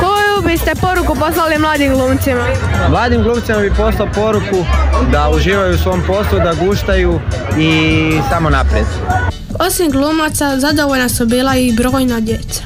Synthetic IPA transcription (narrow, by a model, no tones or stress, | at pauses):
kojubist̪e̞po̞ɾukupo̞slalimlaːd̪imɡlˠuːmt̪simamlˠaːd̪imɡlˠuːmt̪simabipo̞slˠaopo̞ɾukud̪auʒiːʋajusʋo̞mpo̞slˠud̪aɡuːʃt̪ajuisamo̞napɾjed̪ | o̞simɡlˠuːmat̪sazad̪oʋoʎnasubiːlˠaibɾoːjnad̪jet̪sḁ